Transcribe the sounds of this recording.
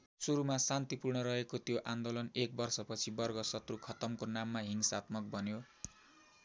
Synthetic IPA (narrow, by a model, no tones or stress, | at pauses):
suɾumasant̪ipurɳʌɾʌɦekot̪joʔand̪olʌnek̚bʌrsʌpʌt͡sʰibʌrɡʌsʌt̪rukʰʌt̪ʌmkonamːaɦiŋsat̪̚mʌk̚bʱʌnjo